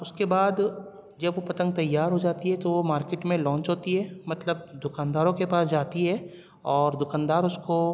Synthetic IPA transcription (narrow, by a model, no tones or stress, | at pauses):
ʊskebaːd̪ | d͡ʒɐbʋopɐt̪ə̃ŋɡ̚t̪ɐjːaːɾɦod͡ʒaːt̪iɦɛt̪omaːɾkeːʈmẽlɔ̃ːɲt͡ʃɦoːt̪iɦɛːmɐt̪ləb̚d̪ʊkaːnd̪aːɾõkepaːsd͡ʒaːt̪iɦɛː | ɔːɾd̪ʊkaːnd̪aːɾʊsko